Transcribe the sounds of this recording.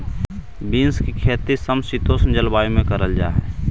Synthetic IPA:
biːnskikʰeːt̪isəmsit̪oːsnd͡ʒəlbaːimẽkəɾəld͡ʒa̰ːɦɛ̰ː

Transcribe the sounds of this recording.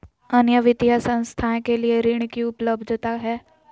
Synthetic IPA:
ənjəʋɪt̪jasə̃w̃st̪ʰajkelieɾiɳkiʊpləbd̪ʱt̪aɦɛː

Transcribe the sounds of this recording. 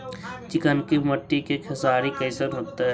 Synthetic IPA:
t͡ʃɪkənkemɐʈːikekʰɐsaːɾikɐɪsənɦoːt̪eɦɛ

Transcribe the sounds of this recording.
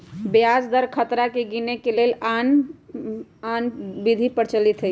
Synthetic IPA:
bjad͡ʒd̪əɾkʰət̪ɾakeɡinekelelan | anbid̪ʱipəɾt͡ʃəlit̪ɦə

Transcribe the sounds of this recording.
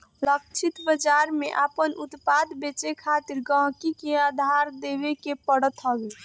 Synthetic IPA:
ləkt͡ʃʰit̪bəd͡ʒaɾmeʔapənʔut̪pad̪bet͡ʃekʰat̪iɾɡə̃ɦkikead̪ʱaɾd̪eβekepəɽət̪ɦəbe

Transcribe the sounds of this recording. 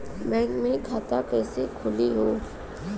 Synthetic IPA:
mɛ̃ːŋɡmẽkʰaːt̪akɛːsekʰʊliɦoː

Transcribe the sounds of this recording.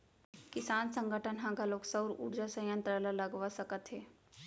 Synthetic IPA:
kɪsaːnsə̃ŋɡəʈʰənɦãɡʱaloːksəwɾṵɾd͡ʒasə̃jə̃nt̪ɾəlaləɡʋasəkət̪ɦeː

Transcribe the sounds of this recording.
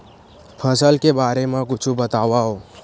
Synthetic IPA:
pʰəsəlkebaːɾemãkʊt͡ʃʰubət̪aːʋaɦo

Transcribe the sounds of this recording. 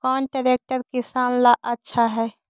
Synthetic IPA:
kɔːnʈaɾek̚ʈəɾkɪsaːnlaʔətːʃʰaɦɛː

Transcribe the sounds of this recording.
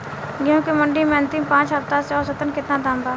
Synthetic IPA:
kjõːkimɐ̃ɳɖimẽɐ̃nt̪ɪmpãːt͡ʃɦɐft̪aseɔːɾsət̪ənkɪt̪nad̪ãːmbaː

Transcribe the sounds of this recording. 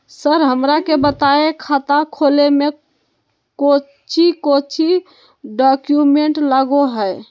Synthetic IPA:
səɾɦəmɾakebət̪aekʰat̪akʰoleme | ko | t͡ʃʰikot͡ʃʰi | ɖɔkjumeɳʈləɡoɦəj

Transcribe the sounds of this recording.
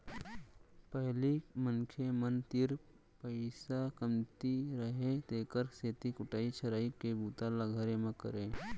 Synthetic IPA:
pəɦlimənkʰemənt̪ɪɾ | pəɪsakəmt̪iɾəɦet̪eːkəɾseːt̪ikʊʈaːit͡ʃʰəɾaːikebuːt̪alaɡʱəɾemẽkə̰ɾeː

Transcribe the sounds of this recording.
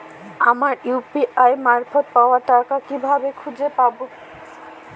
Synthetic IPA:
amaɾjupiʔajmaɾfʰot̪̚paoaʈakakibʱabekʰud͡ʑepabo

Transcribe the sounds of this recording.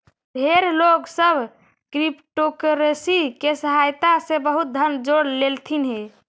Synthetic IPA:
bʱeɾloɡsəbʱ | kɾipʈokəɾesikesəɦajt̪asebəɦut̪̚d̪ʱənd͡ʒoɽlelt̪ʰinɦe

